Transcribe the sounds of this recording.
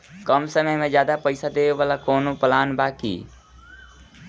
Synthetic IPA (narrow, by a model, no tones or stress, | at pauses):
kəmsəməjmẽd͡ʒjaːd̪apəɪsad̪eːʋeʋaːlakoːnopəlaːnbaːkḭː